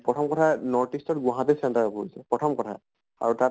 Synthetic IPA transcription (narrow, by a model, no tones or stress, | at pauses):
pɹɔtʰɔmkɔtʰanɔɹtistɔt̚ɡwaɦãtesɛntaɹɔpoisɛpɹɔtʰɔmkɔtʰa̰ | a̰ɹuta